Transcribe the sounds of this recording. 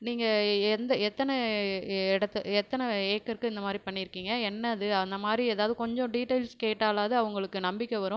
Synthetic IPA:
niːŋɡɐɛnd̪ɐɛt̪ːɐnɛ | ɪɽɐt̪ːɛt̪ːɐnɛeːkːɐɾkɯɪnd̪ɐmaːd̪ɾipɐɳːɪjɪɾɯkːiːŋɡɐɛnːɐðɯɐnd̪ɐmaːd̪ɾieːðaːʋðɯkɔɲd͡ʒɔ̃ɖiːʈːɐɪlskeːʈːaːlaːðɯɐʋɐŋɡɐɭɯkːɯnɐmbɪkʲːɛʋɐɾʊ̃

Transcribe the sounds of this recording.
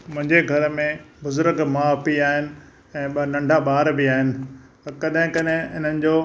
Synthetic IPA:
mʊ̃ɦɪ̃ɲd͡ʑeɡʱɐɾmẽbʊzʊɾkmãɐpiaːɦɪnɪ̆ | ɛ̃ːɓnɐ̃ɳɖʱaɓaːɾbɪaːɦɪnɪ̆ | t̪ɐɾkɐɗɦɪ̃kɐɗɦɪ̃ɦɪn̤ənɪ̆d͡ʑoː

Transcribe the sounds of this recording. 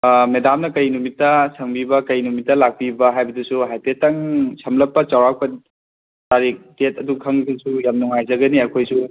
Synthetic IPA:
medamnɐkɐjnumitːɐsʰɐŋbibɐkɐjnumitːɐlak̚pibɐɦajbɐdusuɦajtetɐŋsʰɐmlɐpːɐt͡ʃawɾak̚pɐ | taɾik̚detɐdukʰɐŋdusujamnuŋajzɐɡɐniɐkʰojsu

